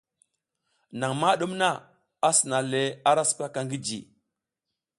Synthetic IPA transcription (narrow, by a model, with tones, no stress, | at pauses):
na˨ŋma˦ɗu˦mna˦ | a˦si˨na˨le˨a˦ɾa˦su̥˦pa˦ka˨ŋɡi˦d͡ʒḭ˨